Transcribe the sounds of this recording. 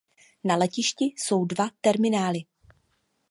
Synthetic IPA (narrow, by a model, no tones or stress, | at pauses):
nalɛcɪʃcɪso̞wdvat̪ɛɾmɪnaːlɪ